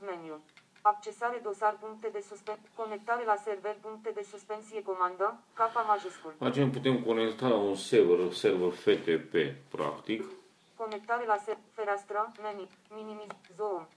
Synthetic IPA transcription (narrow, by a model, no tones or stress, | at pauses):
menju | akt͡ʃe̞saɾed̪o̞sarpuŋk̚t̪ed̪e̞suspeko̞nek̚t̪aɾelaserverpuŋk̚t̪ed̪e̞suspensiekomand̪əkapamaʒeskulat͡ʃenput̪e̞mkonekt̪alaunseverserverfet̪epepɾa̰kt̪ik | ko̞nek̚t̪aɾelasefeɾast̪ɾəmeni | minimizoom